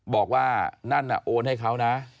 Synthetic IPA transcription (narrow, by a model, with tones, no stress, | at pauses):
bɔː˨˩k̚waː˥˩na˥˩nʔa̰˨˩ʔoː˧nha˥˩jkʰa˦˥wna˦˥ʔ